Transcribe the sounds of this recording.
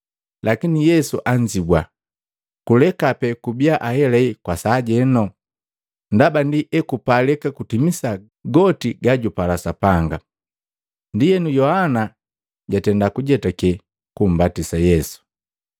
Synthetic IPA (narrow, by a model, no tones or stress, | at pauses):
lakinijɛsuʔaɲd͡ʒibwa | kulɛkapɛkubiaʔahɛlɛikwasaːɟɛnɔ | ndabandiʔɛkupalɛkakutimisa | ɡɔtiɡaɟupalasapaŋɡa | ndijɛnujɔhana | ɟatɛndakuɟɛtakɛ | kum̩batisajɛsu̥